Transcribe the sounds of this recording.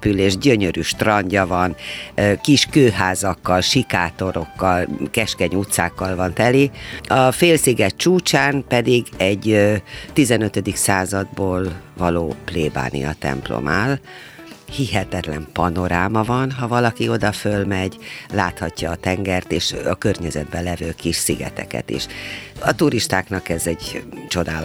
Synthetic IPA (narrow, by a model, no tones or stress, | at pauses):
pyleːʒɟøɲøɾyːʃt̪rɒɲɟɒvɒnkiʃkøːɦaːzɒkːɒlʃikaːt̪o̞ɾo̞kːɒlkɛʃkɛɲuːt̪sa̰ːkːɒlvɒnt̪ɛliɒfeːlsiɡɛtt͡ʃuːt͡ʃaːnpɛd̪iɡɛɟt̪izɛnøt̪ød̪iksaːzɒd̪̚boːlvɒloːpleːba̰ːnḭjɒ̰t̪ɛ̰mplo̰maːl | hiɦɛt̪ɛt̪lɛmpɒno̞ɾaːmɒvɒnɦɒvɒlɒkio̞d̪ɒfølmɛɟla̰ːt̪hɒcːɒːt̪ɛŋɡɛrt̪eːʃɒkørɲɛzɛd̪̚bɛlɛvøːkiʃsiɡɛ̰t̪ɛ̰kɛ̰t̪ḛːʃɒt̪uɾiʃt̪aːknɒkɛzɛɟt͡ʃo̞d̪aːl